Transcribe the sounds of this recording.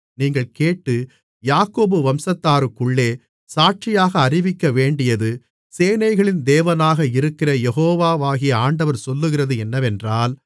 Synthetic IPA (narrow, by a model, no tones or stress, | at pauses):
niːŋɡɐɭkeːʈːɯ | jaːkːoːbɯʋɐmsɐt̪ːaːɾɯkːɯɭːeː | saːʈ̚t͡ʃɪjaːɣɐːrɪʋɪkːɐʋeːɳɖɪjɐðɯ | seːnɐɪɣɐɭɪnd̪eːʋɐnaːɣɐɪɾɯkːɪrɐjɛɣoːʋaːʋaːɣɪjɐaːɳɖɐʋɐɾsɔlːɯɣɪrɐðɯɛnːɐʋɛndraːl